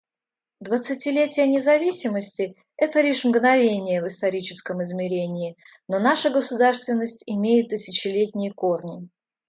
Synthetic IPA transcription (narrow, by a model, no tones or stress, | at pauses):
d̪vət̪sɨtʲɪlʲetʲɪjənʲɪzɐvʲisʲɪməsʲtʲɪ | ɛt̪əlʲiʂmɡnɐvʲenʲɪjəvɨst̪ɐɾʲit͡ɕɪskəmɪzmʲɪɾʲenʲɪː | nonaʂəɡəsʊd̪arst̪vʲɪnːəsʲtʲɪmʲejɪt̪ːɨsʲɪt͡ɕɪlʲetʲnʲɪjəko̞rnʲɪ